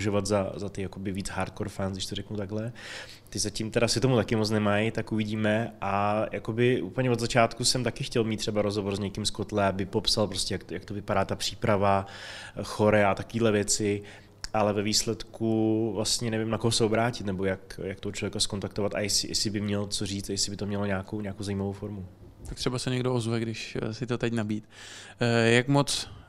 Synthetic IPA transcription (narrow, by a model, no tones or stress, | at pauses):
ʒovat̪zazat̪ɪjako̞bɪviːt͡sɦaːɾt̪̚koɾfansɡdɪʃt̪orɛknut̪aɡlɛ | t̪ɪzacimt̪ɛɾasɪt̪o̞mut̪akɪmot͡snɛmajt̪akuvɪɟiːmɛʔajʔako̞bɪʔṵːpəlɲɛvod̪zat͡ʃaːt̪kusɛmt̪akɪxcɛlmit̪ːr̝̥ɛbaɾozɦovoɾzɲɛkɪmskot̪lɛabɪpo̞psalpɾoscɛjakjak̚t̪o̞vɪpadaːt̪apr̥i̥ːpɾava | xo̞ɾɛat̪akoviːdlɛvjɛt͡sɪ | ʔalɛvɛviːslɛt̪kuvlast̪ɲɛnɛvɪmnakoɦosɛobɾaːcɪt̪nɛbo̞jakjak̚t̪oɦot͡ʃlovjɛkasko̞nt̪akt̪ovat̪a̰jɛsɪ̰jɛ̰sɪbɪmɲɛlt͡soriːt͡st̪ajɛsɪbɪt̪o̞mɲɛlo̞ɲaːkowɲaːkowzajiːmavowfo̞ɾmu | t̪akt̪r̥ɛbasɛɲɛɡdoozvɛɡdɪʃsɪt̪ot̪ɛcnabiːt̪ | jakmot͡s